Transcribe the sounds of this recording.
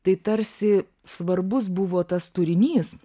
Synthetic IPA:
t̪ɐɪt̪ɐrʲsʲɪ | sʋɐrbʊs̬bʊʋoːt̪ɐst̪ʊɾʲɪnʲiːs

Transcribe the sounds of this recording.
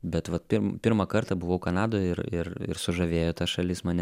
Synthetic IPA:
bʲɛt̪ʋɐt̪pʲɪɾmpʲɪɾmɐkɐrt̪ɐbʊʋɐʊkɐnɑːd̪oːjɪɾɪɾɪ̰ɾsʊʒɐʋʲeːjoːt̪ɐsʃɐlʲɪsmɐːnʲɛ

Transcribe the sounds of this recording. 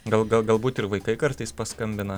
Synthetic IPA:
ɡɐlˠɡɐlˠɡɐlˠbuːt̪ɪɾʋɐɪkɐɪkɐɾt̪ɐɪspɐskɐmʲbʲɪnɐ

